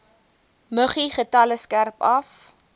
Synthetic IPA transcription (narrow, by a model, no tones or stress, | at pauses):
məχiχətɐləskærpɐf